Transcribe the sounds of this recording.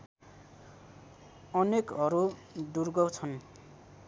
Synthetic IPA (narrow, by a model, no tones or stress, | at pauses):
ʌnekʌɾuɖurɡʌwt͡sʰʌn